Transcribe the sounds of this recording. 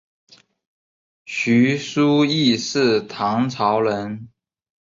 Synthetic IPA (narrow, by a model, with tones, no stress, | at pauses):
ɕy˧˥su˥i˥˧ʂɻ̩˥˩t̪ʰɑ˧˥ŋt͡sʰɑ˧˥ʊlə˧˦n